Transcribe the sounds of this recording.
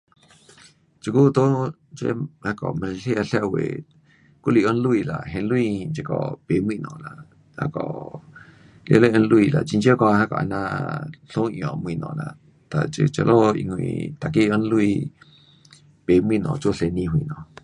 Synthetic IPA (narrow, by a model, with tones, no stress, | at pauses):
t͡ʃi˧ku˦t̪o˦ | t͡ʃḛ˦ha˧kɔ˨mẽ˧ɬe˦a˧ɬa˧wḛ˨ | kʷu˦li˧ʔo˦n˦lu˦iː˧˨la˨ʔɦe˧n˦lwiː˧nt͡ʃe˧kɔ̰˧˨pe˨mwĩ˧nɔ̰̃ː˧˨la˨ | ha̰˦˧kɔ̰˧˨ | ljḛ˧˦le˦ʔe˧n˦lu˧iː˧˨la˨t͡ʃi˧nt͡ʃjo˦kɔ˧ha˦kɔ̰˨a˧˨nã˧ɬõ˦ʔjɔ̰̃˨mwĩ˧˨nɔ̰̃˧˨lã̰˨ | t̪a˨t͡ʃe˧t͡ʃa˧lʔo˦ḭ˧ŋʷ˧ḭ̃˧˨t̪a˨ki˦˨˧o˦n˦lwi˧ | pe˨mwĩ˧nɔ̰̃˨t͡ʃo˦ɬe˧nĩ˧ɦwĩ˧˨nɔ̃˨